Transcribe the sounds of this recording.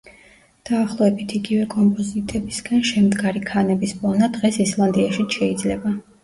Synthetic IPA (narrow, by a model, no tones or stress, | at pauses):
d̪̥aːχlˠɔɛbit̪ʰiɡivɛkʼɔmpʼɔzit̪ʼɛbisɡanʃɛmd̪ɡaɾikʰanɛbisbʼɔnad̪ʁɛsislˠand̪iaʃiʃɛid̪zlɛba